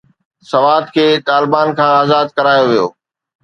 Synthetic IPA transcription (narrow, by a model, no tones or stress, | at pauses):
sɐʋaːd̪kʰeːt̪aːlɪbaːnkʰãːaːzaːd̪̚kɐɾaːjoʋijo̰ː